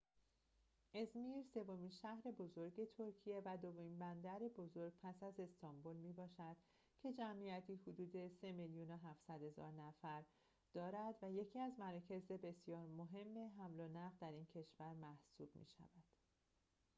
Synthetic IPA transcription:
ʔe̞zmiːɾse̞vo̞miːnʃæhɾe̞bo̞zo̞ɾɟe̞t̪ʰoɾcʰije̞væd̪o̞vomiːnbænd̪æɾebo̞zo̞ɾɡ̥̚pʰæsæze̞st̪ʰɒmbolmiːbɒːʃæd̪̥ | cʰe̞d͡ʒæmʔijæt̪ʰiːhod̪uːd̪e̞se̞miljunoɦæfsæd̪̥hezɒ̰ːɾnæfæɾ | d̪̥ɒːɾæd̪væje̞cʰiːæzmæɾɒːcʰe̞ze̞be̞sjɒːɾmoɦe̞mːe̞ɦæmlonæʁd̪æɾiːncʰe̞ʃvæɾmæhsuːb̥mḭːʃæ̰væd̪̥

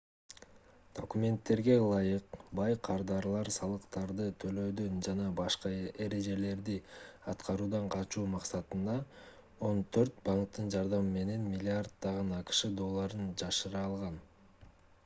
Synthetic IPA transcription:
d̪̥o̞kumʲe̞nt̪ːe̞ɾɡe̞lˠɑjɯqbɑjqʰɑɾd̪ɑɾlˠɑɾsɑlˠɯqt̪ɑɾd̪ɯt̪ʰø̞lø̞d̪ønd͡ʒɑnɑbɑʃqɑe̞ɾe̞d͡ʒe̞le̞ɾd̪iɑt̪qɑɾuːd̪ɑɴqʰɑt͡ʃuːmɑqsɑt̪ɯnd̪ɑ | o̞nt̪ʰø̞ɾt̪̚bɑŋk̚t̪ːɯnd͡ʒɑɾd̪ɑmɯme̞ne̞nmʲɪlʲːiard̪̚d̪ɑʁɯnɑqɯ̥ʃɯd̪o̞lˠːɑɾɯnd͡ʒɑʃɯɾɑːlˠʁɑn

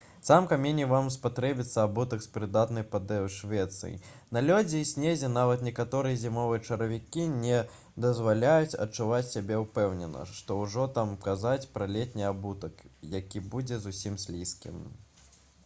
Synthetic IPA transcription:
t̪samkamʲenʲivamspat̪ɾɛbʲit̪sːɐabut̪ɐkspɾɨd̪at̪nɐjpɐd̪ɛwʂvʲɛt̪sɨ̰jḭ | nɐlʲɔd͡zʲiːsʲnʲezʲɛnavɐt̪nʲɛkat̪ɔɾɨjɐzʲimɔvɨjɐt͡ʂɐɾɐvʲikʲinʲɛ | d̪ɐzvalʲajut͡sʲɐ̰t͡ʂːuvat͡sʲsʲabʲɛupɛwnʲɛnɐ̰ʂt̪ɔwʐɔt̪amkazat͡sʲpɾɐlʲɛt̪ʲnʲiabut̪ɐkjakʲibud͡zʲɛzusʲimsʲlʲiskʲḭm

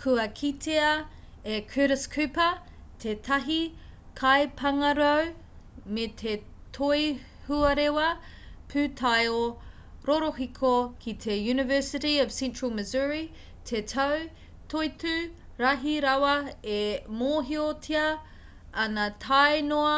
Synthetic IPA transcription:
kʰuɐkʰit̪ʰeɐekʰiɾəskʰʉpɐ | tʰetʰɐɦi | kʰajpʰɐŋɐɾow | metʰetʰoj | huɐɾewɐ | pʰʉtʰajo | ɾoɾoɦikʰokʰit̪ʰejʉːnɪvɜ˞sɪtiəv̥sɛ̃nt͡ʃɹ̥əlˠməzuɹi | tʰetʰɐw | tʰojtʉ | ɾɐɦiɾawɐemoːɦiotʰiɐ | ɐnɐtʰajnoɐ

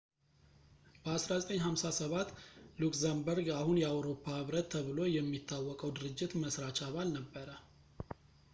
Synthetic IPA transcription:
b̥əasɾazət̪ʼəɲːɦamsasəβat̪ːlukzambəɾɡahunjɛawɾo̞pʰːahɨβɾət̪ʰːəβɨlo̞jɛmːit̪ʰːawːɔkʼəwd̪ɨɾɨd͡ʒːɪt̪məsɾat͡ʃaβalnəbːəɾə

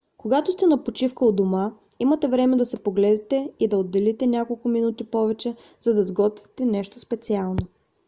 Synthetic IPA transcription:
koɡat̪ost̪ɛnɐpot͡ʃifkəod̪oma | imət̪ɛvɾɛmɛd̪ɐsɛpoɡlɛd̪ɛt̪ɛid̪ɐod̪ːɛlit̪ɛnʲakolˠkʊminut̪ipɔvɛt͡ʃɛ | zɐd̪ɐzɡɔt̪vɛ̥t̪ɛnɛʃt̪ospɛt̪sialˠno

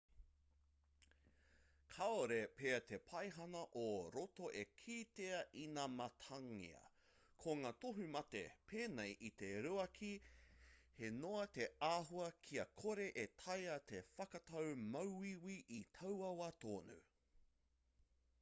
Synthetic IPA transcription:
kʰaoɾepeːɐt̪ʰe̞pʰɐjɦɐnɐʔoɾotoʔekʰiːteɐʔinaːmɐt̪ʰɐŋḭɐ̰ | kʰoŋaːt̪oɦumɐt̪ḛpʰeːnejʔit̪e̞ɾuɐkʰi | he̞noɐt̪e̞aːɦuɐkʰiɐkʰoɾe̞ʔet̪ʰɐjɐt̪ʰe̞fɐkɐtɐwmɐwiwiʔit̪ʰɐwɐwɐt̪oːnʉ̰

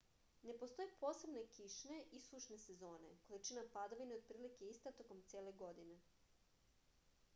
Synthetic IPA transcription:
ne̞po̞st̪o̞jepo̞ːsebne̞kiʃne̞ʔisuʃne̞se̞zo̞ːne̞ko̞lit͡ʃinapad̪oʋineod̪̚pɾiːlikeist̪at̪o̞komt̪sʲjeːle̞ɡo̞d̪ine̞

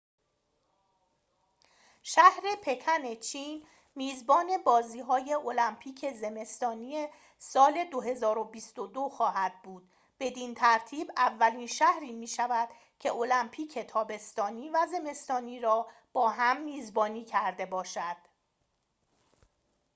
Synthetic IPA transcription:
ʃæhɾe̞pʰe̞cʰæne̞t͡ʃʰiːn | miːzbɒːne̞bɒːziːɦɒːjeo̞læmpʰiːcʰe̞ze̞me̞st̪ɒːniːje̞ | sɒːle̞d̪o̞ɦe̞zɒːɾo̞bist̪o̞d̪oxɒːɦæd̪̥̚buːd̪̥̚ | b̥e̞d̪iːnt̪ʰæɾt̪ʰiːbævːæliːnʃæhɾiːmiːʃævæd̪̥ | cʰe̞̰ʔo̞læmpʰiːcʰe̞t̪ʰɒːbe̞st̪ɒːniːvæze̞me̞st̪ɒːniːɾɒːb̥ɒːɦæmːiːzbɒːniːcʰæɾd̪e̞bɒːʃæd̪̥

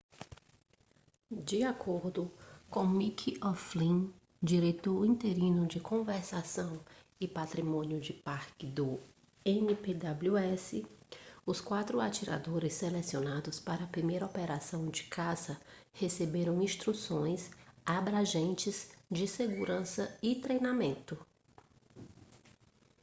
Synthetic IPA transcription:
d͡ʒɪakʰoɾd̪ʊkõw̃mikʰiɔflĩ | d͡ʒiɾet̪oɾĩt̪eɾĩnʊd͡ʒɪkõveɾsasɐ̃w̃ | ɪpat̪ɾimõnjʊd͡ʒɪpaɾkɪd̪ʊ | ẽniped̪abluɛsɪʊskwat̪ɾʊat͡ʃiɾa̰d̪oɾɪsːelesionad̪ʊspaɾɐːpɾimejɾɐopeɾasɐ̃w̃d͡ʒɪ̥kʰasɐhesebeɾɐ̃w̃ĩst̪ɾusõj̃sabɾaʒẽnt͡ʃɪzd͡ʒɪseɡuɾɐ̃sɐɪt̪ɾejnamẽnt̪ʊ

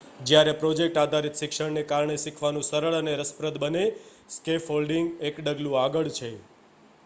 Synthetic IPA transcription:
d͡ʒjaɾepɾod͡ʒek̚ʈad̪ʱaɾit̪ʃɪkʃəɽnekaɾɳeʃikʰʋanũsəɾəɭəneɾəspɾəd̪bəne | skefɦolɖiŋɡekɖəɡlũaɡəɭt͡ʃʰe

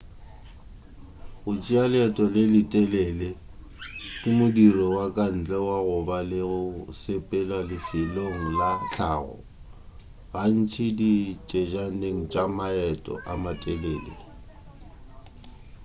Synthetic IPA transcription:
ɣʊt͡ʃʼialɪɛtʼɔlɪlɪtʼɛlɛle | kʼɪmʊdirɔwakʼan̩t͡ɬʼɛwaɣʊbalɪɣʊsepʼɛlalɪfɪloŋ̩laɬʰa̰ːɣɔ̰ | ɣan̩t͡ʃʰɪdit͡ʃʼed͡ʒaneŋ̩t͡ʃʼamaɛtʼɔ̰ʔamatʼɛlɛːlḛ

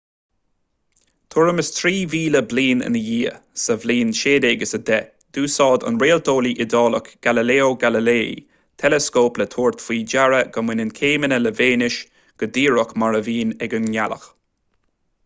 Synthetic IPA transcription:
t̪ʰʊɹəməst̪ʰɾiːviːləbliːnə̰nəjiːəsəvliːnʃeːd̪eːɡəsəd̪ɛ | d̪̥uːsɑːd̪ə̰nɾeːld̪ʰoːliʔɪd̪ɔːləkɡ̥aləleːoɡaləlḛː | t̪ʰɛləskoːplət̪ʰoːɹt̪fiːd͡ʒaɹəɡ̥əmwɪnənkʰeːmənələveːnɪʃ | ɡ̥əd̪iːɹəkmaɹəviːnɛɡənjalə̰x

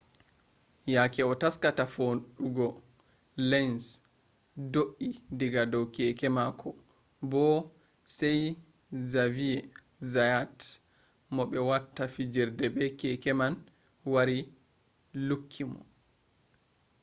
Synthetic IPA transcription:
jakɛɔtaskatafonɗuɡɔ | lɛns | doʔidiɡadɔwkɛkɛmakʰɔ | bɔ | sɛj | zavijɛ | zajat | mɔɓɛwatːafid͡ʒɛɾdɛbɛkɛkɛman | waɾi | lukʰːimɔ̰

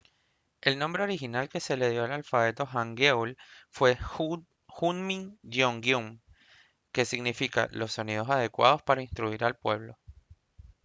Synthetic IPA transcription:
e̞lnombɾe̞o̞ɾixinalke̞se̞le̞ðjo̞alalfaβe̞t̪o̞xaŋɡewlfwe̞ | xunmiŋdjoŋɡjum | ke̞siɣnifika̰lo̞sːo̞nið̞o̞saðe̞kwa̰ð̞o̞spaɾainst̪ɾuiɾalpwe̞β̞lo̞

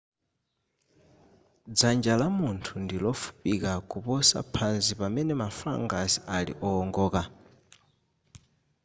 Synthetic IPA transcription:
d͡zand͡ʒalamuntʰundilɔfu̥pikakupɔsa̰pʰanzsipamɛnɛmafa̰ŋɡasialḭʔɔːŋɡɔːka

